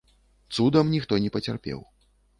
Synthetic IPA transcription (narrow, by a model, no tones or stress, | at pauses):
t̪sud̪ɐmnʲixt̪ɔnʲɛpɐt͡sʲarpʲɛ̰w